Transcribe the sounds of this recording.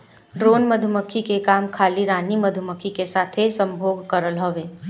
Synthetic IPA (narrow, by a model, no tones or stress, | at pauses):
ɖɾoːnməd̪ʱʊməkʰikekaːmkʰaːliɾaːniməd̪ʱʊməkʰikesaːt̪ʰesə̃mbʱoːɡkəɾəlɦoːʋeː